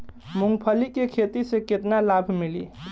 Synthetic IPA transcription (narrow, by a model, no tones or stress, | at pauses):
muŋɡpʰəlikekʰet̪iseket̪nalabʱmilḭ